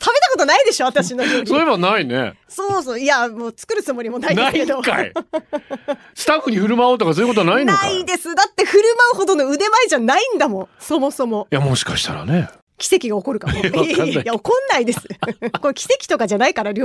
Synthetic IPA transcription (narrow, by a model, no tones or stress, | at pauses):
t̪abe̞t̪ako̞t̪onaid̪e̞ɕo̞at̪aɕino̞ɾʲoɲsoɾeβanainḛsoːs̬oːiamoːt͡sɨ̥kɯɾɯ̟t͡sɨmo̞ɾʲimo̞naid̪aiked̪oka̰ḭ | sɨ̥t̪aɸːɯɲ̟iɸɯ̟ɾɯ̟maoːt̪o̞kasojiko̞t̪oanaĩnd̪eaid̪e̞sɨd̪at̪ːe̞ɸɯ̟ɾɯ̟maɯ̟ho̞d̪ono̞ɯd̪e̞maiʑanaĩnd̪amõ̞so̞mo̞so̞mo̞jamo̞ɕi̥kaɕi̥t̪aɾa̰ne | kʲi̥se̞kʲiɡao̞ko̞ɾɯ̟kamojaokõ̞nːaid̪e̞sɨ̥kokʲi̥se̞kʲi̥t̪okaʑanaikaɾaɾʲo